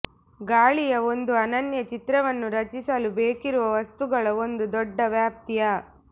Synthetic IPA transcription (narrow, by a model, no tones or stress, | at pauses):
ɡaːɭijɐo̞nd̪uɐnɐnjɐt͡ʃit̪ɾɐʋɐnːuɾɐt͡ʃisɐlubeːkiɾuʋɐʋɐst̪uɡɐɭɐo̞nd̪ud̪ɔɖːɐʋjaːp̚t̪ijɐ